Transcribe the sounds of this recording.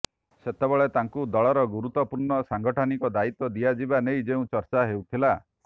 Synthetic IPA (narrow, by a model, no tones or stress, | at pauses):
set̪ebɔɭet̪aŋkud̪ɔɭɔɾɔɡuɾut̪ːɔpuɾɳɔsaŋɡɔʈʰɔnikɔd̪ait̪ɔd̪iad͡ʒibanejd͡ʒeũt͡ʃɔɾt͡ʃaɦewt̪ʰila